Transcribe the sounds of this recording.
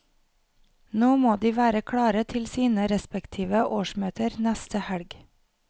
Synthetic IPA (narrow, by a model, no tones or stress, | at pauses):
noːmoːd̪iːʋæːɾəkʰɽɑːɾət̪ʰɪlsiːnəɾɛspɛkt̪ʰiːʋəʔoːʃmøːt̪ʰəɾnæst̪əhɛɽɡ